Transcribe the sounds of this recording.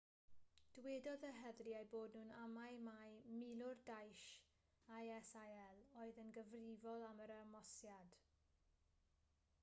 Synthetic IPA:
d̥wɛdɔðəɦɛðriajboːdnuːnamajmajmɪlˠʊrdajʃ | ajɛsaɛlˠoːɨðənɡəvrɪvɔlˠaməɾamɔsjad̥

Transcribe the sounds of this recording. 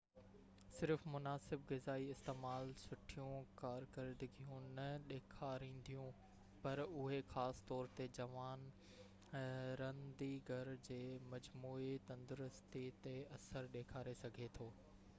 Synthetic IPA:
sɪɾfmʊnaːsɪbɣɪzaːiɪst̪eːmaːlsʊʈʰijũkaːɾkəɾd̪ɪɡijũnɐɗeːkʰaɾĩːn̆d̪ʱijũ | pɐɾʊɦexaːst̪ɔːɾt̪ed͡ʑɐʋaːn | ɾɐ̃nd̪iɡʱɐɾd͡ʑeːmɐd͡ʑmuːit̪ɐ̃nd̪ʊɾʊst̪it̪eɐsəɾɗeːkʰaːɾesɐɡʱet̪ʰoː

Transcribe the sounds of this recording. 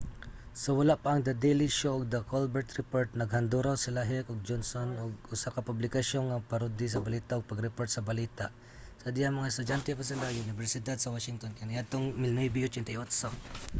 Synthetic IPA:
sowɐlaʔpaʔɐŋd̪ɐd̪ejlɪʃoʔʊɡ̚d̪ɐkolbɛɹt̪ɾɛpoɹt̪̚nɐɡhɐnd̪uɾawsɪlaɦɛkoɡ̚d͡ʒonsonoɡʊsakapʊblɪkɐʃjonːapɐɾud̪ɪs̬ɐbɐliːt̪aʔoɡ̚pɐɡɾɛpoɹt̪sɐbɐliːt̪aʔ | sɐd̪ijamɐŋaɛst̪ʊdjant̪ɛpas̬ɪlajʊnɪbɛɾsɪd̪ad̪sɐwaʃɪŋt̪onkanɪjad̪̚t̪oŋmɪlnojbijʊt͡ʃɛnt̪aot̪so

